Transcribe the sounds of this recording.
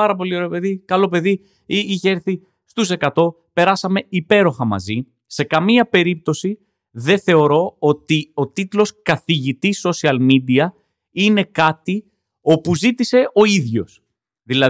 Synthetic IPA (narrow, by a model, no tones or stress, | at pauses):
ɐɾɐp̬o̞lio̞ɾepe̞ðikɐlo̞p̬e̞ði | iiçeeɾθi | st̪use̞kɐt̪o̞ | pe̞ɾɐsɐme̞ipe̞ɾo̞xɐmɐ̰zi | se̞kɐmiɐpe̞ɾip̚t̪o̞si | ðe̞θe̞o̞ɾo̞o̞t̪io̞t̪it̪lo̞skɐθiʝit̪isːo̞siɐlmid̪iɐ | ine̞kɐt̪i | o̞puzit̪ise̞o̞iðʝo̞s | ðilɐ